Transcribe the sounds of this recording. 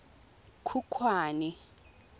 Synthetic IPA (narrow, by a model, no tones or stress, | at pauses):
kʰukʰwaːni